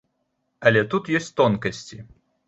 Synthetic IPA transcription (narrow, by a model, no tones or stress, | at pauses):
ɐlʲɛt̪ut̪jɔsʲt͡sʲt̪ɔnkɐsʲt͡sʲi